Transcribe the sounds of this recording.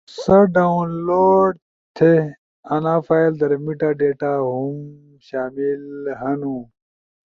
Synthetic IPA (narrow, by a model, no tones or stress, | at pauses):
sɐɖaunloːɖ̚ | t̪ʰe | ɐnãːfajld̪ɐɾmiʈaɖeːʈaɦum | ɕaːmilɦɐnũ